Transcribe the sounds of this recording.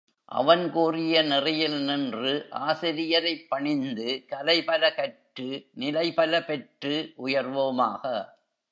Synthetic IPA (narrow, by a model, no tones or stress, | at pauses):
ʔɐ̰ʋɐnkuːrɪjɐnɪrɐjɪlnɪndrɯʔa̰ːsɪɾɪjɐɾɐɪpːɐɳɪnd̪ɯkɐlɐɪpɐlɐkɐʈːɯnɪlɐɪpɐlɐpɛʈrɯʔʊjɐrʋomaːɣɐ